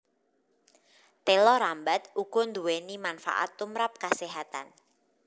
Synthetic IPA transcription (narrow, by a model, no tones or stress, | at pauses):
t̪elɔɾambat̪̚uɡ̥ɔnd̪uwenimanfa̰ʔa̰t̪ːumɾap̚kaseɦat̪a̰n